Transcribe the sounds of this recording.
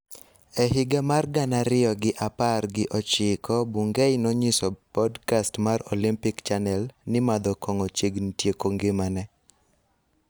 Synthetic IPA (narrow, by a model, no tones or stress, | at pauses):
ɛɦɪɡamarɡanaɾɪɔɡɪʔaparɡɪʔɔt͡ʃɪkɔbuŋɡejnɔɲɪsɔpɔdkastmarɔlimpɪkt͡ʃanɛlnɪmad̪ɔkɔŋɔt͡ʃiɡntjekoŋɡɪmanɛ